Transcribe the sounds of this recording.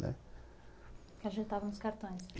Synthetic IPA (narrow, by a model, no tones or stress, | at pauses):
nɛ̰ | kaʒẽnt̪t̪avɐnʊskaɾt̪õj̃s